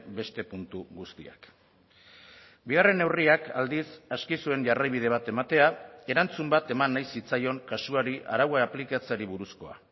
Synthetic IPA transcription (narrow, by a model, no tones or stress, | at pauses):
be̞st̪e̞punt̪uɣust̪ḭa̰k | biɣ̞are̞ne̞wriaka̰ld̪isaskisue̞nʝarajβ̞ið̞e̞β̞at̪e̞mat̪e̞ae̞ɾant͡sumbat̪e̞manːajsit͡sajo̞ŋkasuaɾiʔa̰ɾawaplikat͡saɾiβ̞uɾusko̞a̰